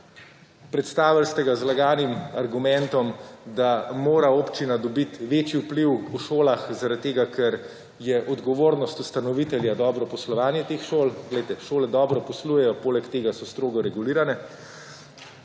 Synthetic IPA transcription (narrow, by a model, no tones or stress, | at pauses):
pɾɛt̪st̪aːʋalst̪ɛɡazlaɡaːnimaɾɡumɛnt̪ɔmd̪amoːɾaoːpt͡ʃinad̪ɔbit̪ʋeːt͡ʃiupliwuʃoːlaxzaɾat̪̚t̪ːeːɡakʰɛɾ | jɛʔɔd̪ɡɔʋoːɾnɔst̪ust̪anɔʋit̪ɛljad̪ɔːbɾɔpɔslɔʋaːnjɛt̪eːxʃoːlɡlɛjt̪ɛʃoːlɛd̪ɔːbɾɔpɔsluːjɛjɔpoːlɛkt̪eːɡasɔst̪ɾoːɡɔɾɛɡuliːɾanɛ